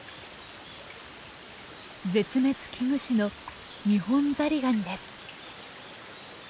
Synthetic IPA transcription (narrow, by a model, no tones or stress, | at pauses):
d͡ze̞t͡sɨme̞t͡sɨ̥kʲʰiŋɯ̟ɕino̞ | ɲ̟ihõ̞nd͡zaɾʲiɡaɲ̟id̪esɨ̥